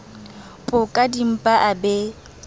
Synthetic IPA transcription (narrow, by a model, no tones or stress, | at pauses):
bʼʊkʼadim̩pʼaʔabe